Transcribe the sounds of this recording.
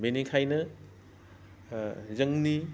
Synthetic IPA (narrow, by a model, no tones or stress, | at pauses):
benikʰajnɐ | zɐŋni